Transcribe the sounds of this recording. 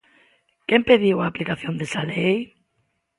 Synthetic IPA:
kempeðiwaːplikaθjõnd̪esalej

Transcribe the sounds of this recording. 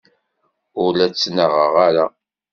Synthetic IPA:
ʊɾlæt͡sːnəʁəʁaɾa

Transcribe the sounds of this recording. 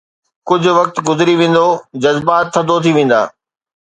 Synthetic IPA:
kʊd͡ʑʱʊ̆ʋɐk̚t̪ɡʊzɪɾiʋẽːn̆d̪od͡ʑɐzbaːt̪ʰːɐ̃d̪ot̪ʰiʋẽːn̆d̪a̰ː

